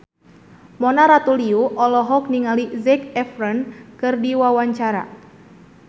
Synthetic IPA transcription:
mɔnaɾat̪uliuʔɔlɔɦɔk̚niŋalizɛkɛfrənkɨrdiwawaɲt͡ʃaɾa̰

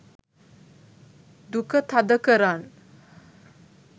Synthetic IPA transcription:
d̪ukət̪ʰad̪əkəɾan

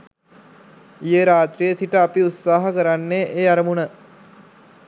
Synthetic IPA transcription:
ijeɾaːt̪ɾijəsiʈəapiut̪saːɦəkəɾanːeʔeːaɾəmunə

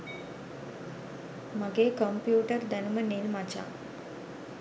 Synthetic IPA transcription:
maɡeːkəmpjuːʈəɾd̪ənumənilmat͡ɕa̰

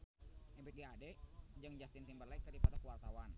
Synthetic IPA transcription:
ʔɛbɛt̪̚ɡaadɛd͡ʒaŋd͡ʒast̪int̪imbərlaik̚t̪əripat̪akəwart̪awan

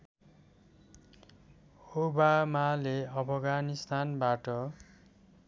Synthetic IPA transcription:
hobamaleʌpʰʌɡanist̪ʰanbaʈʌ

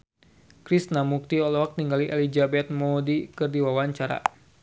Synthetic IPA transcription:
kɾisnamuk̚t̪iɔlɔk̚t̪iŋɡaliʔɛlid͡ʒabɛt̪̚mɔdikɨrdiwawaɲt͡ʃaɾa̰

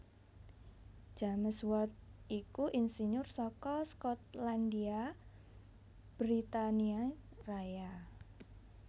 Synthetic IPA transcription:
d͡ʒ̥a̤məswɔt̪̚ikuʔinsiɲʊrsɔkɔskɔt̪̚landia | b̥ɾit̪aniaraja

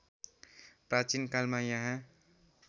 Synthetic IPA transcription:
pɾat͡ʃinkalmãjãɦã

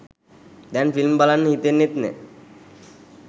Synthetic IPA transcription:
d̪ɛnfilmbalanːɦit̪enːit̪nɛ̰

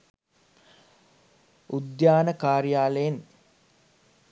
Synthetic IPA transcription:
ud̪jaːnəkaːɾjaːləjen

